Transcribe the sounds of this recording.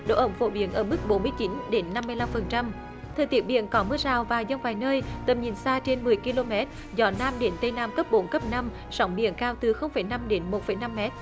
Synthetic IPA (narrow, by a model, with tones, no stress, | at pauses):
ɗo̰˧˥˨ʔə˨˧˩wŋ͡mfo̰˧˩ɓi˨˦ənʔəː˧˩mɨ˦˥k̚ɓo˨˦nmɨ˧əjt͡ɕi˨˦nɗe˨˦nːa˧mːɨ˧əjla˧mfə˨˩nt͡ɕa˧m | t̪ʰəː˨˩jt̪i˦ət̚ɓḭ˧˨ənkɔ˨˦mɨ˧əzaː˨˩wvaː˨˩wzə˧ŋvaː˨˩jnəː˧jt̪ə˨˩mɲi˨˩nsaː˧t͡ɕe˧nmɨ˨˩əjki˧lo˧mɛ˦˥t̚ | zɔ˨˦naː˧mɗe˨˦nt̪ə˧jnaː˧mkə˦˥p̚ɓo˨˦nkə˦˥p̚naː˧m | sɔ˨˦wŋ͡mɓḭ˧˨ənkaː˧wt̪ɨ˨˩xə˧wŋ͡mfə˧˩jna˧mɗe˨˦nmo˨˩t̚fə˨˩jna˧mːɛ˦˥t̚